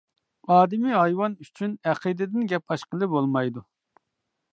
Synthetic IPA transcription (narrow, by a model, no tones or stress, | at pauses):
ɑːd̪ɪmiɦɑjwɑnyt͡ʃʰynɛqʰid̪ɪd̪ɪnɡʲɛpɑʃqəlˠɨbolˠmɑjd̪u